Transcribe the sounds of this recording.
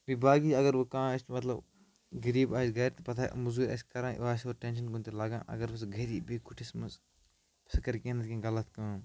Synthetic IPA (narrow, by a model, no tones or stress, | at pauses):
bibaːɡiɐɡɐɾʋukãːɐsmɐt̪lɐb | ɡɐɾiːbaːd͡ʒɡɐːɾt̪pɐt̪ʰaːʔmuzuːɾɐ̰skɐɾãːaːsoːɾʈẽnʃɐnɡũnt̪ilaːɡã̰ːʔɐ̰ɡɐɾʋɐs̬ɡɐɾiːbiːkuʈʰismɐs | sɐkɐɾkẽːnɐt̪kʲĩːɡɐlɐt̪kãː